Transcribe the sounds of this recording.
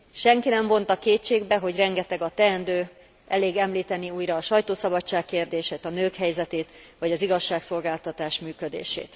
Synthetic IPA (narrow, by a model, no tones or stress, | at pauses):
ʃɛŋkinɛɱvo̞nt̪ɒkeːtt͡ʃeːɡbɛɦo̞ɟrɛŋɡɛt̪ɛɡɒt̪ɛɛnd̪øː | ʔɛleːɡɛmliːt̪ɛniuːjɾɒːʃɒjt̪oːsɒbɒt͡ʃːaːkːeːrd̪eːʃeːt̪ɒnøːkhɛjzɛt̪eːt̪ʋɒɟɒziɡɒʃːaːkso̞lɡaːlt̪ɒt̪aːʃmyːkød̪ḛːʃḛːt̪